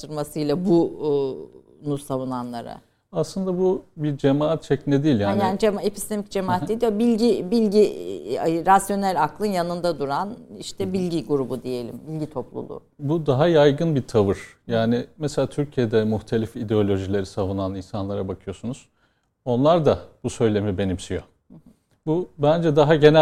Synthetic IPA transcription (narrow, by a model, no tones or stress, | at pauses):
t̪ʰɯɾmasɯjlˠabu | nusavunanlˠa̰ɾa̰ | aslˠɯnd̪abubiɾd͡ʒemaːat̪̚t͡ʃʰɛcnɛd̪iːlʲjaːnjaːnid͡ʒemepʰi̥st̪emicd͡ʒemaat̪ːed̪ijobilʲɟibilʲɟi | ɾasjo̞nælʲaklˠɯnjanɯnd̪ad̪uɾanḭʃt̪ʰɛbilʲɟiɡuɾubud̪ije̞lʲḭmbilʲɟit̪ʰo̞plˠṵlˠṵː | bud̪aɦajajɡɯnbiɾt̪ʰavɯɾ̥jaːnɪmeselʲaːt̪ʰyɾcʰijed̪ɛmuxt̪ʰe̞lʲifid̪eolʲo̞ʒilʲe̞ɾisavunaninsanlˠaɾabakʰɯjo̞sunuz̥ | o̞nlˠaɾd̪ab̥usø̞jlʲe̞mibe̞nimsijo̞ | bubænd͡ʒɛd̪aɦaɟe̞næ